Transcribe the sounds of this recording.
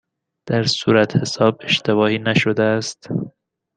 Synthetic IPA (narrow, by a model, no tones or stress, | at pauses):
d̪̥æɾsṵːɾæt̪ʰhe̞sɒːb̚e̞ʃt̪e̞βɒːhiːnæʃod̪eæst̪